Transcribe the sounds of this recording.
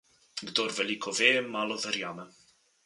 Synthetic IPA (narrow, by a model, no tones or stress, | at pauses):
ɡd̪ɔɾvɛliːkʰɔvɛːɛmːaːlɔðɛɾjaːmɛ